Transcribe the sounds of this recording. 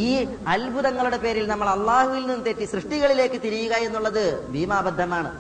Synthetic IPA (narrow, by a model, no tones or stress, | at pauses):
iː | ɐlbʱuðɐŋːɐɭuɽe̞pe̞ːɾilnɐmːɐɭɐlːaːhuʋilninːɨt̪etːiɕrɨʂʈiɣɐɭile̞ːkːɨt̪iɾijuɣɐe̞nːuɭːɐðɨbʱiːmaːbɐd̪ʱːɐmaːɳɨ